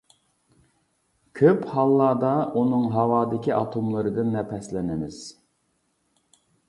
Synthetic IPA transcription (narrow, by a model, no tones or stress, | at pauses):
kʲʰøphɑlˠːɑːd̪ɑunɨŋɦɑwɑːd̪ɪkʲiʔɑt̪ʰomlˠɨɾɨd̪ɪnːɛpɛslɪnɪmɪz̥